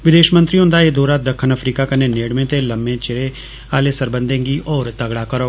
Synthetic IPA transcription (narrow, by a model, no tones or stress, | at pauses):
ʋɪd̪eːʃmə̃nt̪ɾiːɦʊ̃nd̪aːeːd̪oːɾaːd̪əkʰːənəpʰɾiːkaːkəneːneːɽmẽːt̪eːləmːẽːt͡ʃɪɾeː | aːleːsəɾbənd̪ẽːŋɡiːʔɔːɾt̪əɡɽaːkəɾoː